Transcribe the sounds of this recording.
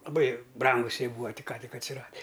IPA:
lˠɐˈbɐɪ ˈbrɐŋɡʊs ˈjiɛ ˈbuːɐ tʲɪk ˈkɑː tʲɪk ɐtʲsʲɪˈrɑːdʲɪ

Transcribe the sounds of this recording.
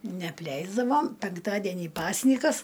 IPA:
nʲɛɐpʲˈlʲɛɪzdɐʋoːm pʲɛŋkˈtɑːdʲiɛnʲiː ˈpɑːsʲnʲiːkɐs

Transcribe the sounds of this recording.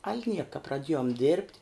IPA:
ɐlʲ ˈnʲiɛkɐ prɐˈdʲiɛjoːm dʲɪrʲpʲtʲ

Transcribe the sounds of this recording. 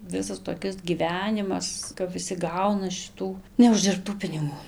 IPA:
ˈʋʲɪsɐs toːˈkʲɪs ɡʲiːˈʋʲæːnʲɪmɐs kɐp ʋʲɪˈsʲɪ ˈɡɐʊnɐ ʃʲɪˈtuː nʲɛʊʒʲdʲɪrpˈtuː pʲɪnʲɪˈɡuː

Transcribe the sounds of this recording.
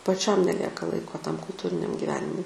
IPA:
pɐˈt͡ʃʲɛm nʲɛˈlʲiɛkɐ ˈlˠɐɪkoː tɐm kʊlˠˈtuːrʲɪnʲɛm ɡʲɪˈʋʲæːnʲɪmʊɪ

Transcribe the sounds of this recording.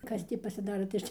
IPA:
ˈkɐs tʲiː pɐsʲɪˈdɑːroː tɐɪ ˈɐʃ tʲiː

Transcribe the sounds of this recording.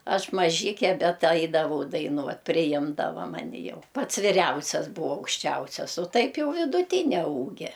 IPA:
ˈɐʃ mɐˈʒʲɪkʲɛ ˈbʲɛt ˈɐɪdɐʋɐʊ dɐɪˈnuɔt pʲrʲɪˈjɪmdɐʋɐ ˈmɑːnʲɪ jɛʊ ˈpɐts ʋʲɪˈrʲɛʊsʲɛs ˈbuːɐ ɐʊkʃʲˈt͡ʃʲɛʊsʲɛs oː ˈtɐɪp ˈjɛʊ ʋʲɪdʊˈtʲɪnʲɛ ˈuːɡʲɛ

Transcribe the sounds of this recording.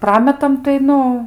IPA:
ˈprɑːmʲɛtɐm tɐɪ ˈnʊ

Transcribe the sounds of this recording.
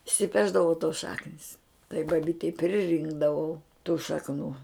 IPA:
ɪʃʲsʲɪˈpʲæːʒdɐʋoː toːs ˈʃɑːknʲɪs tɐɪ bɐˈbʲiːtʲɛɪ pʲrʲɪˈrʲɪŋɡdɐʋɐʊ tuː ʃɐkˈnuː

